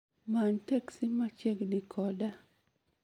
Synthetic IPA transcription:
mantɛksimat͡ʃeɡdikʰɔda

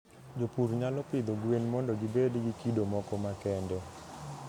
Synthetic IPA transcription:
d͡ʒopuɾɲalɔpɪd̪oɡwenmɔndɔɡibedɡikidomɔkɔmakɛndɛ

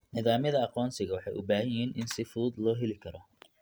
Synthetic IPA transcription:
nɪðaːmjɐðɐɑqɔːnsɪɣɐwɑħɑjʔʊbaːhɐjɪɦiːnʔɪnsɪfuːd̪lɔːɦɛlɪkʰɐɾɔ

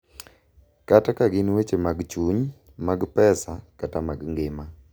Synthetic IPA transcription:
katakaɡɪnwet͡ʃemaɡt͡ʃuɲ | maɡpɛsakatamaɡŋɡɪma

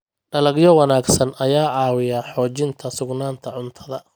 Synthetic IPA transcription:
ɖɐlɐɡjɔwɑnaːɡsɐnʔɐjaːʕɑːwɪjɐħɔːt͡ʃɪnt̪ʰɐsʊɡnaːnt̪ʰɐʕʊnt̪ʰɐðɐ

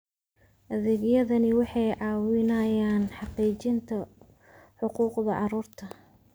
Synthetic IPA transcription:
ʔɐðɪɣjɐðɐnɪwɑħɑjʕɑːwɪnɐjaːnħɑqiːt͡ʃɪnt̪ʰɐ | ħʊquːqðɐʔɑɾuːrt̪ʰɐ

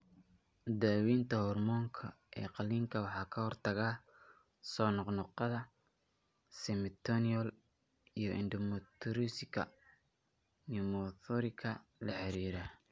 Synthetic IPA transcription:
d̪aːwiːnt̪ʰɐhɔrmɔːŋkʰɐ̰ | ʔɛ̰ːqɑliːŋkʰɐwɑħɑːkʰɐhɔrt̪ʰɐɣaː | sɔːnɔqnɔqɑðɐ | sɛmɪt̪ʰɔniɔl | ijɞʔɪnd̪ɔmɔt̪ʰɾiskɐ̰ | nimɔθɔɾɪkʰɐlɐħɛɾiːɾaː

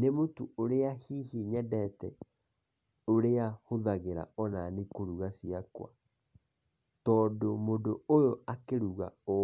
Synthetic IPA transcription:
nemotuoɾeahihiɲɛdɛtɛ | oɾeahoðaɣeɾa̰ɔnanikoɾuɣasiakwa̰ | tɔːdomodoojoakeɾuɣa̰o

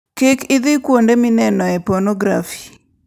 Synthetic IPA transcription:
kekɪd̪ɪkwondemɪnɛnɔɛpɔnɔɡɾafi̥

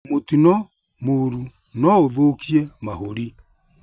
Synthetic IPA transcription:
motinɔ | moɾu | nɔoðokiɛmahoɾi

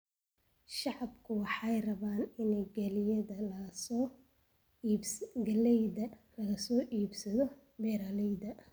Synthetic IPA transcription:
ʃɑʕɑbkʰʊwɑħɑjrɐβaːnɪnɛɡɐlɪjɐðɐlɐsɔ | ɡɐlɛjðɐlɐɣɐsɔːʔiːbsɐðɔ | bɛːɾaːlɛjðɐ

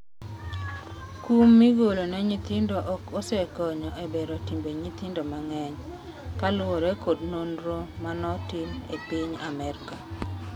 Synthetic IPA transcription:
kumːiɡolonɛɲit̪ɪndoʔɔkosɛkɔɲɔʔebeɾotimbeɲit̪indomaŋɛɲ | kalʊɔɾɛkodnondɾomanɔtimepiɲamɛɾka

